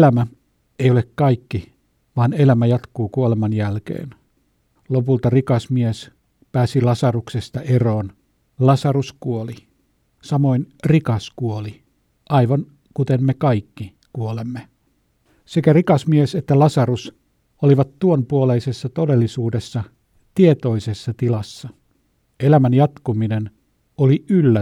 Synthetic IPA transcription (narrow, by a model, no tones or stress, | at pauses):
læmæ | ejolekkɑikːi | ʋɑːne̞læmæjɑt̪kuːkuolemɑnjælkḛːn | lopult̪ɑrikɑsmies | pæːsilɑsɑruksest̪ɑʔeroːn | lɑsɑruskuoli | sɑmoinrikɑskuoli | ʔɑiʋɑn | kut̪emmekɑikːi | kuolemːe | sekærikɑsmieset̪ːælɑsɑrus | oliʋɑt̪tuonpuoleisesːɑt̪ode̞lːisuːdesːɑ | t̪iet̪o̞isesːɑt̪ilɑsːɑ | elæmænjɑt̪kuminen | oliylːæ